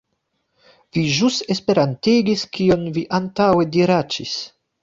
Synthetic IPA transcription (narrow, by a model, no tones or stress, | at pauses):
viʒuse̞spe̞ɾantiɡiskio̞nviʔantawediɾat͡ʃis